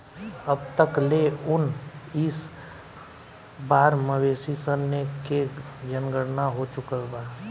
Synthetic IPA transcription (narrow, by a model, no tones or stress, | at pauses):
əbt̪əkleʊnɪs | baːɾməʋeːsisənəked͡ʒənɡəɽnaɦot͡ʃʊkəlbaː